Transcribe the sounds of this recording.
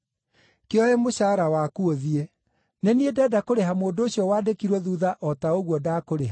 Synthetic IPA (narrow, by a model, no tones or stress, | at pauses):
keɔɛmoɕaːɾawakuoðie | neniedɛːdakoɾeɦamoːndoːɕjɔwaːdekiɾwɔðuːðaʔɔtaoɣwɔdaːkoɾeɦa